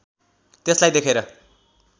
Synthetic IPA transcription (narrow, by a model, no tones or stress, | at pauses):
t̪eslajd̪ekʰeɾʌ